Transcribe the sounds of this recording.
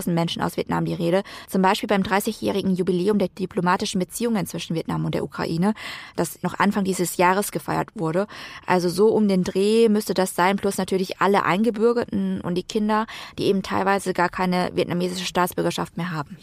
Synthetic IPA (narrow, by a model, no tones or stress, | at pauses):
ʊzn̩tmɛnʃn̩a̰ʊsv̥iɛtna̰mdiːʁeːɾət͡sʊmbaɪʃpiːlbaɪmdʁaɪsɪçjɛ̰ːʁ̞ɪɡŋ̩jubileːʊmdeːɐdiplomaːtɪʃn̩bət͡siːʊŋənt͡sv̥ɪʃn̩viɛtnamʊntd̥ḛːɐʔukʁ̥a̰ʔiːnəd̥asnɔχʔa̰nfaŋdiːzəsjaːʁ̞əsɡ̥əfaɪɐ̰tv̥ʊɐɾəʔa̰lzozoːʔʊmdeːndʁeːmʏstədasz̥aɪnplʊsnatʰyːɐlɪçʔa̰ləʔa̰ɪnɡəbʏɐɡɐtn̩ʊ̰nt̚d̥iːkʰɪndɐd̥iːʔeːbm̩tʰaɪlvaɪzəɡaːɐkʰaɪnəvjɛtnameːzɪʃəʃtaːt͡sb̥ʏɐɡɐʃa̰ftmeːɐɦaːbm̩